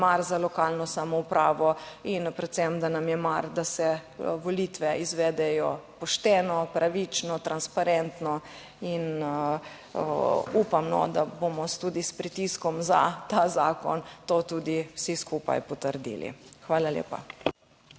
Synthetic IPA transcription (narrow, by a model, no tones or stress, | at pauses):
maɾzalɔkaːlnɔsamɔupɾaːʋɔinpɾɛt̪sɛmd̪anamjɛmaɾd̪asɛʋɔlit̪ʋɛizʋɛd̪ɛjɔpɔʃt̪ɛːnɔpɾʔaʋit͡ʃnɔt̪ɾanspaɾɛnt̪nɔ | in | upamnɔ̰d̪abomɔst̪uːd̪ispɾit̪iskɔmza̰t̪aːzaːkɔ̰nt̪oːt̪uːd̪iwsiskupa̰jpɔt̪əɾd̪ḭːlḭxʋaːlaljḛːpa̰